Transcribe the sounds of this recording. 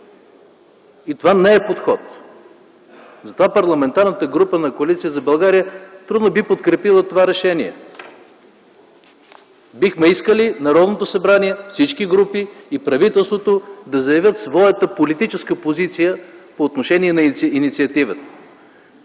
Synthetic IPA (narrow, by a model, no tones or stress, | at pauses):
it̪ovanɛɛpot̪xɔt̪ | zɐt̪ovapɐɾlˠɐmɛnt̪aɾnət̪əɡɾupənɐkoɐlit̪sijəzɐbɐlˠɡaɾijət̪ɾud̪nobipot̪kɾɛpilˠət̪ovaɾɛʃɛniɛ̰ | bixmɛiskəlinɐɾɔd̪not̪osɐbɾaniɛfsit͡ʃkiɡɾupiːpɾɐvit̪ɛlˠst̪vot̪od̪ɐzɐjɐvʲjət̪svɔjət̪əpolit̪it͡ʃɛskəpozit̪sijəpoːt̪noʃɛniɛnɐinit̪siɐt̪ivət̪ə̥